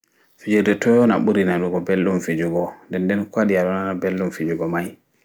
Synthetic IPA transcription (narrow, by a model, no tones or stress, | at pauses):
fid͡ʒudɛtɔjɔnaɓuɾinaduɡɔbɛlːumfid͡ʒuɡɔndɛndɛnkwaɗiaɗɔnanabelːumfid͡ʒuɡɔmaj